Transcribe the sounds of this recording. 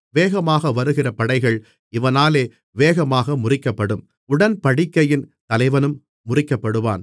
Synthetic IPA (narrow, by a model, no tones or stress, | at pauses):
ʋeːɣɐmaːɣɐʋɐɾɯɣɪrɐpɐɽɐɪɣɐɭ | ɪʋɐnaːleː | ʋeːɣɐmaːɣɐmʊrɪkːɐpːɐɽɯm | ʊɽɐnpɐɽɪkːɐjɪnt̪ɐlɐɪʋɐnɯmː | ʊrɪkːɐpːɐɽɯʋa̰ːn